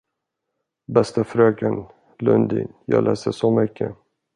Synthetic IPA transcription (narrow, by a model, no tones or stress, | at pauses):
bɛst̪afɾoːɡan | lɵnd̪ɪ̰njɑ̰ːlʔɛ̰ːsəʂɔmʏkːə